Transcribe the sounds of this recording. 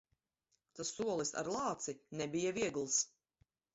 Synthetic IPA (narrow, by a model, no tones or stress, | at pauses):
t̪asːuɔlˠisa̰ɾlˠɑːt̪sinɛbijaviɛɡlˠs